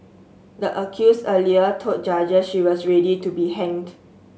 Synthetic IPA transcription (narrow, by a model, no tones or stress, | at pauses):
dəʔəkʰjusəliətʰot̚d͡ʒad͡ʒəsʃiwɔsɹɛditubihɛ̃ŋd